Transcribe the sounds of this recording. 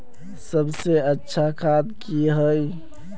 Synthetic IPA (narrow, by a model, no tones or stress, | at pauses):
səbseətːʃʰakʰaːd̪kiɦəi